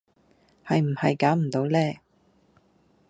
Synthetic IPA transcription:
hɐ˨jm̩˨˩hɐ˨jkaː˨˥wm̩˨˩t̪o˨˥wlɛː˥˩

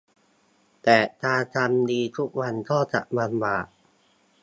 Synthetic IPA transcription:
t̪ɛː˨˩t̪ʰaː˧t̪ʰa˧mdiː˧t̪ʰu˦˥k̚wa˧nkɔː˥˩t͡ɕa̰˨˩ʔba˧nbaː˨˩ʔ̚

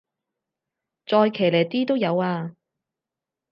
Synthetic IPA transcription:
t͡sɔː˧jkʰeː˨˩leː˨˩jt̪iː˥t̪o˥wjɐ˨˧waː˧

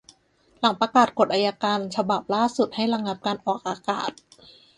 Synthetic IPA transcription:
la˩˦ŋpɾa˧kaː˨˩t̪̚ko˨˩t̪̚ʔaː˧jaː˧kaː˧nt͡ɕʰa˧ba˨˩p̚laː˥˩su˨˩t̪̚ha˥˩jɾa˧ŋla˦˥p̚kaː˧nʔɔː˨˩k̚ʔaː˧ka̰ː˨˩t̪̚

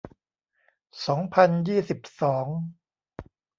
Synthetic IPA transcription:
sɔː˩˦ŋpʰa˧njiː˥˩si˨˩p̚sɔː˩˦ŋ

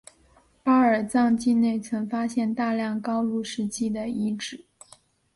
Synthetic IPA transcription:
pa˥ə˞˨˩t͡sɑ˥˧ŋt͡ɕi˥˧ne˥˩ɪt͡sʰɤ˧˥ŋfa˥ɕjɛ˥˧nt̪a˥˧ljɑ˥˩ŋkɑ˥ʊlu˥˩ʂɻ̩˧˥t͡ɕi˥˩d̪ə˩i˧˥ʈ͡ʂɻ̩˨˩˦

